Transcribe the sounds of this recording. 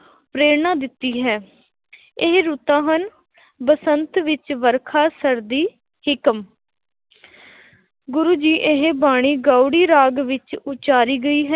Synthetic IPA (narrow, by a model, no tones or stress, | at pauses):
pɾeːɾnãːd̪ɪt̪ːiːɦɛː | ɪɦɾut̪ãːɦən | bəsənt̪ʋɪt͡ʃʋəɾkʰaːsəɾd̪iː | hɪkəm | ɡʊɾuːd͡ʒiːʔɪɦbaːɽ̃iːɡaːuɽiːɾaːɡʋɪt͡ʃʊt͡ʃaːɾiːɡəiːɦɛ